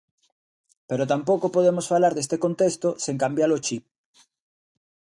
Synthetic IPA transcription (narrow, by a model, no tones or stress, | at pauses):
peɾot̪ampokopoð̞emosfalaɾðe̞st̪eko̞nt̪est̪oseŋkambjalot͡ʃip̚